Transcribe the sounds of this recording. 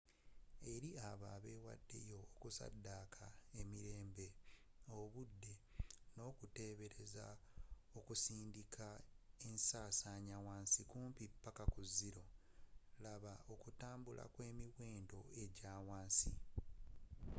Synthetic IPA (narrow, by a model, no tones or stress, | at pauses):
e̞ɾiaβaːβe̞ːwa̰dːe̞̰jo̞ːkusa̰dːaːkʰae̞miɾe̞ːmbe̞oβudːe̞no̞ːkute̞ːβe̞ɾe̞za̰ | okusiːndikʰae̞nsaːsaɲawaːnsikuːmpipːakakuziɾo̞ | laβao̞kutaːmbula̰kwe̞ːmiwe̞ːndo̞e̞ɟaːwaːnsḭ